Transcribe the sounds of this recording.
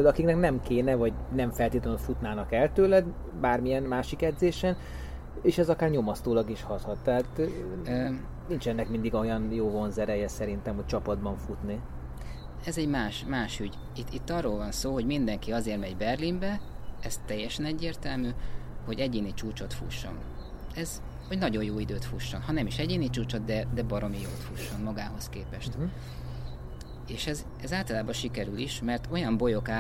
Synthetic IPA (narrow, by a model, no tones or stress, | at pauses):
ød̪ɒkiknɛknɛmkeːnɛvɒɟnɛɱfɛlt̪iːt̪lɛnot̪fut̪naːnɒkɛlt̪øːlɛd̪ | baːrmijɛnmaːʃikɛd̪zeːʃɛn | eːʃɛzɒkaːrɲo̞mɒst̪oːlɒɡiʃhɒt̪hɒt̪ːɛɦat̪ː | nint͡ʃɛnːɛkmind̪iɡo̞jɒnjoːvo̞nzɛɾɛjɛsɛɾint̪ɛmhoc̚t͡ʃɒpɒd̪bɒɱfut̪ni | ɛzɛɟmaːʃmaːʃyɟ | it̪ːit̪ːɒrːoːlvɒnsoːɦo̞ɟmind̪ɛŋkiɒzeːrmɛɟbɛrlimbɛɛst̪ɛjːɛʃɛnɛɟːeːrt̪ɛlmyːho̞ɟɛɟeːnit͡ʃuːt͡ʃo̞t̪fṵʃːo̞̰n | ɛz | ho̞ɟnɒɟo̞joːid̪øːt̪fuʃːo̞nhɒnɛmiʃɛɟeːnit͡ʃuːt͡ʃo̞d̪̚d̪ɛd̪ɛbɒɾo̞mijoːt̪fuʃːo̞nmɒɡaːɦo̞skeːpɛʃt̪ | eːʃɛz | ɛzaːlt̪ɒlaːbɒʃikɛɾyliʃmɛrt̪ʰo̞jɒmbo̞jo̞kaː